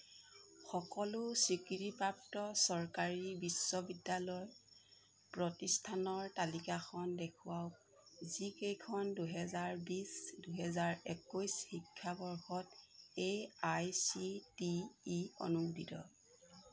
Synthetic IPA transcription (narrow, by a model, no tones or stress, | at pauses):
xɔkɔlʊsɹikiɹipɹap̚tɔsɔɹkaɹibisːɔbidalɔj | pɹɔtistʰanɔɹtalikaxʰɔndekʰʊwaw | zikejkʰɔnduɦɛzaɹbisduɦɛzaɹɛkujsxikʰːabɔɹxɔtejajsitiːɔ̰nudʱitɔ̰